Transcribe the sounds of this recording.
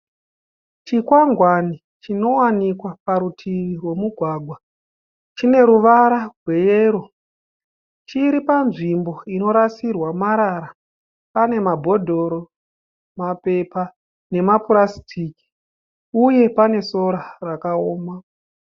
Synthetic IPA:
t͡ʃikwaŋɡwani | t͡ʃino̞wanikwapaɾutʰiʋirwe̞muɡʱwaːɡʱwa | t͡ʃine̞ɾuʋaɾaɡʱwe̞jeɾo̞ | t͡ʃiɾipanʐimbo̞ino̞ɾasirwamaɾaɾa | pane̞mabʱo̞dʱo̞ɾo̞ | mape̞pa | ne̞mapuɾasi̥tʰiki̥ | uje̞pane̞so̞ɾarakaoːma

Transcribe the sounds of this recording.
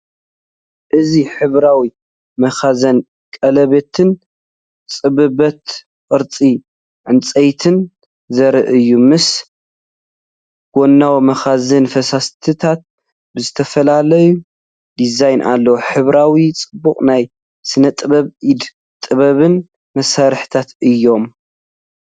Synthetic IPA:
ʔɨziħɨβɾawi | mɐxazɐn | kʼɐlɐβet̪ʰɨn | t͡sʼɨβɨbɐt̪ | qʼɨɾt͡sʼi | ʕɨnt͡sʼejt̪ʰɨn | zɐɾɨʔɨjːumɨs | ɡ̥onːawmɐxazɐnfɐsast̪ʰɨt̪ʰat̪̚ | bɨzɨt̪ʰɐfɐlalɐju | d̪izajnʔa̰lːɐwoħɨβɾawit͡sʼɨbːuχʼnaj | sɨnɐt̪ʼɨβɐβid̪ | t̪ʼɨβɐβɨn | mɐsaɾħt̪ʰat̪ɨjːo̞m

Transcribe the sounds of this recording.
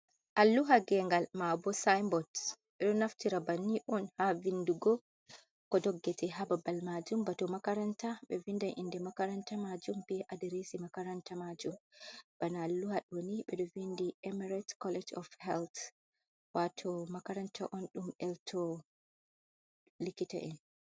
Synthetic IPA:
ʔalːuɦaɡɛŋɡalmabɔsajmbɔd | ɓɛɗɔnaftiɾabanːiʔɔnhavinduɡɔ | kɔdɔɡːɛtɛɦababalmad͡ʒumbatɔmakaɾantaɓɛvindanʔḭndɛmakaɾantamad͡ʒumbɛʔadiɾesimakaɾantamad͡ʒumb̥analːuhaɗwoniɓɛɗɔvindiʔɛmɛɾatkɔlɛd͡ʒɔfhɛlt | watʰɔmakaɾantʰa̰ʔɔnɗumɛltʰɔ | likita̰ʔɛn

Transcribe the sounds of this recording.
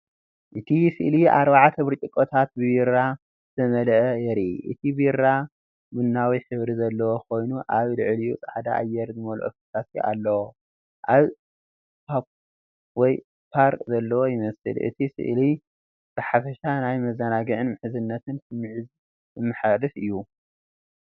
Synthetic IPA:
ʔɨt̪ʰisɨ̰ʔliʔa̰ɾβaʕat̪ʰɐβɨɾt͡ʃʼikʼot̪ʰat̪̚bβiɾa | zɨt̪ʰɐmɐlʔɐjɛɾiʔɨt̪ʰibiɾa | mɨnːawiħɨβɾizɐlːɐwo̞kʰo̞jnuʔaβlɨʕlijut͡sʼaħad̪aʔːjːɛɾzɨmɐlṵʔfit̪ʰasḭʔa̰lːɐwo | ʔaβ | pʰap | wɔj | pʰaɾkʼzɐlːɐwojɪmɐsɨ̰lʔɨ̰t̪ʰisɨ̰ʔli | b̥ɨħafɐʃanajmɐzɐnaɡɨʕɨnmɨħɨzɨnːɐt̪ʰɨnsɨmʕz | ɨmːɨħad̪ɨfɨjːu

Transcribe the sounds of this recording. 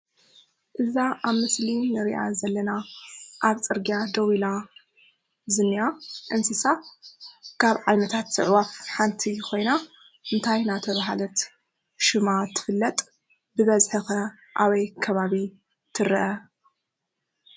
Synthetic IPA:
ʔɨzaʔaβmɨslinɨɾiʔa̰zɐlːɐnaʔaβt͡sʼɨɾɡjad̪ɐwila | zɨnːiaʔɨnsɨsa | kʰaβʕajnɐt̪ʰat̪ːɨʕwafħant̪ʰikʰo̞jna | ʔɨnt̪ʰajnat̪ʰɐβaɦalɐt̪ | ʃɨmat̪ʰːɨ̥fɨlːɐt̪ʼ | bɨβɐzħɨxɐ | ʔaβɐjkʰɐβaβi | t̪ʰɨɾɐʔɐ

